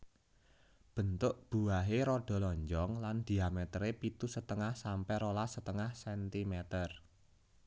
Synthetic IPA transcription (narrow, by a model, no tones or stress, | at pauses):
b̥ə̤nt̪ʊʔb̥ṳaɦeɾoɖ̥ɔ̤lɔɲd͡ʒɔŋland̪̥i̤amɛt̪ɾepit̪usət̪əŋahsampɛɾolasət̪əŋahsɛnt̪imɛt̪ər